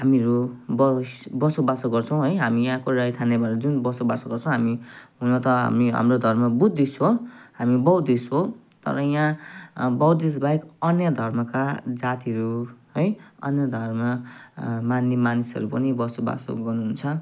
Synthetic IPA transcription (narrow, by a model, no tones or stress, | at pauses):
ɦamiʌɾubʌsbʌsobasoɡʌrt͡sʰʌw̃ɦʌjɦamijãkoɾajt̪ʰanebʌɾʌd͡zunbʌsoba̰soɡʌrt͡sʰʌ̃w̃ɦamiɦunʌt̪ʌɦa̰miɦa̰mrod̪ʱʌrmʌbud̪ʱːisɦohamibʌwd̪isɦo | t̪ʌ̰ɾʌjãbʌwd̪is̬bajkʌnjʌd̪ʱʌrmʌkad͡zat̪iʌɾuɦʌjʌ̰njʌd̪ʱʌrmʌ | manːimanisʌ̰ɾupʌnibʌsoba̰so̰ɡʌrnuɦunt͡sʰʌ